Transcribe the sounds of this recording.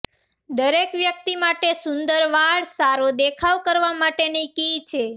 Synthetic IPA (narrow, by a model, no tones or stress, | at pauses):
d̪əɾekʋjək̚t̪imaʈesʊnd̪əɾʋaɭsaɾod̪ekʰaʋkəɾʋamaʈenekit͡ʃʰe